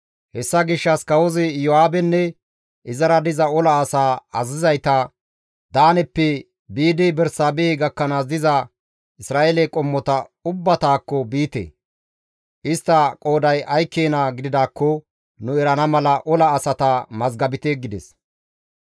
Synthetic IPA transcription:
hɛsːɐɡɪʃːɐskɐwɔzɪjɔaːbɛnːɛ | ʔɪzɐɾɐd̪ɪzɐɔlɐːsaːɐzɪzɐjt̪ɐ | d̪aːnɛpːɛ | biːd̪ɪbɛɾsaːbeːɡɐkːɐnaːs̬d̪ɪzɐ | ɪsɾaːʔelɛkʼɔmːɔt̪ɐʊbːɐt̪aːkːɔbiːt̪ḛː | ʔɪst̪ːɐkʼo̞ːd̪ɐjɐjkːeːnaɡɪd̪ɪd̪aːkːɔ | nʊɛɾɐnɐmɐlɐʔɔlɐːsɐt̪ɐmɐzɡɐbɪt̪eɡɪd̪ɛs

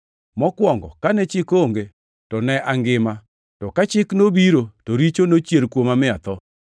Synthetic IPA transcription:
mɔkwɔŋɡɔ̰kanɛt͡ʃɪkoŋɡe | tɔnɛʔaŋɡɪma | tɔkat͡ʃɪknobiɾotoɾit͡ʃonot͡ʃjelkwomamɪat̪ɔ

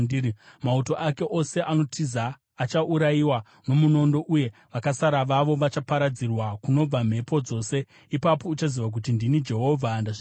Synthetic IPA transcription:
mauto̞ʔake̞ʔo̞se̞ʔano̞tʰizaː | t͡ʃaʔuɾajiwa | no̞muno̞ndo̞ʔuje̞ʋakasaɾaʋaʋo̞ʋat͡ʃapaɾad͡zirwakuno̞b͡vam̤e̞po̞d͡zo̞se̞ | ipapo̞ut͡ʃaziʋak̬ut̬indinid͡ʒe̞ɦo̞vʱandaʐ

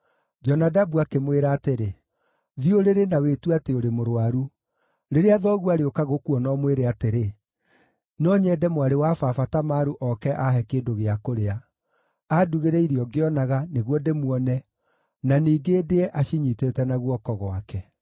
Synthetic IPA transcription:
d͡ʒɔnadabuakemweɾaːteɾe | ðioɾeɾenawetuateoɾemoɾowaɾu | ɾeɾeaðɔɣuaɾeokaɣokuɔnɔmweɾeateɾe | nɔɲɛdɛmwaɾewafafatamaɾuʔɔkɛʔaɦɛkedoɣeakoɾea | aduɣeɾɛiɾiɔɡeɔnaɣaneɣwɔdemwɔnɛ | naniːɡeːdeɛʔaʃiɲitetɛnaɣwɔkɔɣwakɛ

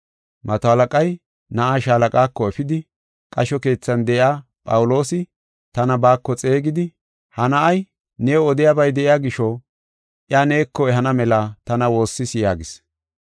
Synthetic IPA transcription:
mɐt̪ɔɐlɐkʼɐj | nɐʔaʃaːlɐkʼaːkːɔɛfɪd̪ɪ | kʼɐʃɔke̞ːt͡sːɐnd̪ɛʔɪaːpʼɐwʊlo̞ːsɪ | t̪ɐnɐbaːkːɔt͡sʼe̞ːɡɪd̪ɪ | hɐnɐʔɐj | neːɔd̪ɪjabɐjd̪ɛʔɪjaːɡɪʃɔ | ʔjane̞ːkːɔɛɦɐnɐmɛlɐt̪ɐnɐwo̞ːsːɪsjaːɡɪs

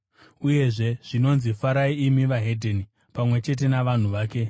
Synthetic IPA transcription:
uje̞ʐe̞ʐ̥ino̞nzifaɾaiimiʋaɦe̞dʱeni | pamwe̞t͡ʃe̞t̬e̞naʋan̤uʋaːke̞

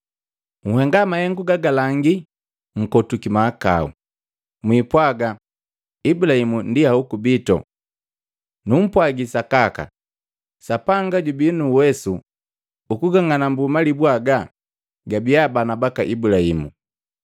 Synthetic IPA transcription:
ŋ̩hɛŋɡamahɛŋɡuɡaɡalaŋɡi | ŋ̩kɔtukimaːka̰ṵ | mwiːpwaɡa | ibulahimundiaukubitɔ̰ | num̩pwaɡisakaka̰ | sapaŋɡaɟubinuwɛsu | ukuɡaŋanambumalibwaɡa | ɡabijabanabakaʔibulahḭmṵ

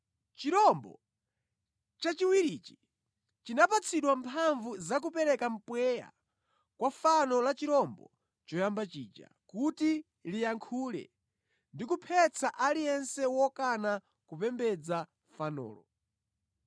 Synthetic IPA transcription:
t͡ʃiɾɔmbɔ̰ | t͡ʃat͡ʃiwiɾit͡ʃi̥ | t͡ʃinapat͡sʰiɗwampʰaɱvuzak̬upɛɾɛkam̩pwɛja̰ | kwafanɔlat͡ʃiɾɔmbɔ̰ | t͡ʃɔjambat͡ʃiːd͡ʒa̰kuti | lijaŋkʰuːlɛ̰ | ndikupʰɛt͡sʰaʔalijɛnsɛwɔkana | kupɛmbɛd͡za | fanɔ̰ːlɔ

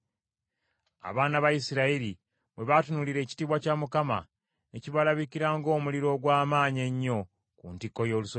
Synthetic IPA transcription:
a̰βaːnaβajisiɾaiɾi | βwe̞βatunuliɾe̞ːci̥tiːβwacamukama̰ | eciβalaβikiɾaːŋɡo̞ːmuliɾo̞ːɡwaːmaːɲe̞ɲːo̞ | kṵːntikːo̞jo̞ːluso

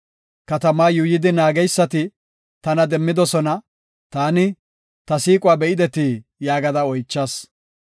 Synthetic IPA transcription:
kɐt̪ɐmaːjʊjɪd̪ɪnaːɡɛjsːɐt̪ɪ | t̪ɐnɐd̪ɛmːɪd̪ɔsɔnɐ | t̪aːnɪ | t̪ɐsiːkʼʊwaːbɛʔɪd̪ɛt̪ijaːɡɐd̪ɐɔjt͡ʃːɐs

